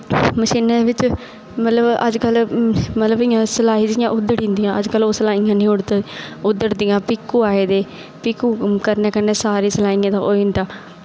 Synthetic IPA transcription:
məʃiːneːd̪eːʋɪt͡ʃ | mət̪ləbə̰d͡ʒkəlːmət̪ləbɪjãːsəlaːɦiːd͡ʒijãːʔʊd̪əɽĩːnd̪ijãːəd͡ʒkəloːsəlaːijãːnĩːʊɽʊd̪ːəɾd̪iːãːpɪkːuːaːeːd̪eː | pɪkːuːkəɾneːkəɾneːsaːɾiːsəlaːĩːãːt̪ãʔoːind̪aː

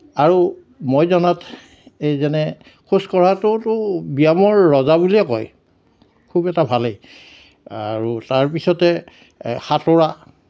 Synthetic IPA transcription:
aɹu | mojzɔnat | ejzɛnɛ | kʰuskɔɹatʊtʊbijamɔɹːɔzabuliɛkɔj | kʰubɛtabʱalej | aɹutaɹpisɔtɛ | xatoɹa

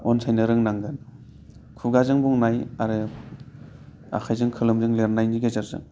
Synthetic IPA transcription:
ɔnsʰajnɯɾɯŋnaŋɡɯn | kʰuɡazɯŋbuŋnajaɾɯ | a̰kʰajzɯŋkʰɯlɯmzɯŋleɾnajniɡezaɾzɯ̰ŋ

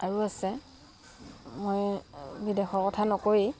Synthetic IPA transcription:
aɹuasɛ | mojbidexɔɹkɔtʰanɔkoɹi

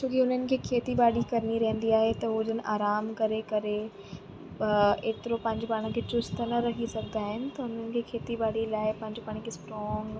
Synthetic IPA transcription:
t͡ɕʰoːkiɦʊn̤ənɪ̆kʰeːkʰeːt̪ibaːɽikɐɾniɾɐɦə̃nd̪iaːɦet̪ɐɦʊd͡ʑənɪ̆ʔaːɾaːmkɐɾekɐɾe | eːt̪ɪɾopɐ̃ɦɪ̃ɲd͡ʑopaːɽ̃əkʰeːt͡ɕʊst̪nɐɾɐɦisɐɡʱd̪aːɦɪnɪ̆t̪ɐɦʊnənɪ̆kʰeːkʰeːt̪ibaːɽilaːɪpɐ̃ɦɪ̃ɲd͡ʑopaːɽ̃ĩkʰesʈɾɔːŋɡ

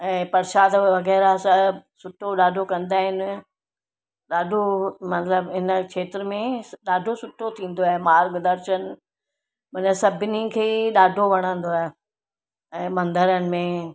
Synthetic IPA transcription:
ɛ̃ːpɐɾʃaːd̪ʋɐɣɛːɾasɐsʊʈʰoɗaːɖʱokɐ̃nd̪aːɦɪnɪ̆ | ɗaːɖʱomɐt̪ləbɦɪnəkʰeːt̪ɾəmẽɗaːɖʱosʊʈʰot̪ʰĩːn̆d̪oaːɦemaːɾɡd̪ɐɾʃənɪ̆ | mɐnəsɐbʱɪnikʰeːɗaːɖʱoʋɐɽ̃ə̃nd̪oaːɦe | ɛ̃ːmɐ̃nd̪əɾənɪ̆mẽ

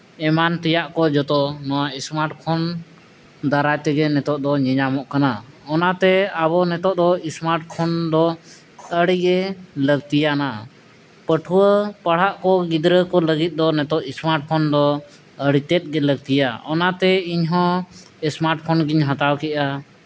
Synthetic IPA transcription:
ɛmant̪ɛjaʔkɔd͡ʒɔt̪ɔnɔwaɛsmaɾʈpʰɔn | d̪aɾajt̪ɛɡɛnɛt̪ɔʔd̪ɔɲɛɲamɔʔkanaɔnat̪ɛabɔnɛt̪ɔʔ̚d̪ɔismaɾʈ̚pʰɔnd̪ɔ | əɽiɡɛləɡ̚t̪ijana | pəʈʰuwəpəɽ̤aʔkɔɡid̪ɾəkɔləɡit̪̚ˀd̪ɔnɛt̪ɔʔismaɾʈ̚pʰɔnd̪ɔ | əɽit̪ɛt̪̚ˀɡɛləɡ̚t̪ijaɔnat̪ɛiɲɦɔ̃ | ɛsmaɾʈ̚pʰɔnɡiɲɦãt̪awkɛʔa

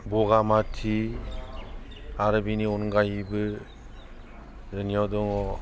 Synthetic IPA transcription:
bɔɡamatʰi | aɾɯbiniɔnɡajibɯ | zɯnijadɔŋɔ

